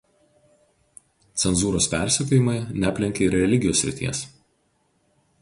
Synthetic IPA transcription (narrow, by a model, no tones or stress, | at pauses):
t̪sʲɛnzuːɾoːspʲæˑɾʲsʲɛkʲoːjɪmɐɪnʲæːpʲlʲɪŋʲkʲeɪɾɾʲɛlʲɪɡʲɪjoːsʲɾʲɪ̰t̪ʲḭɛs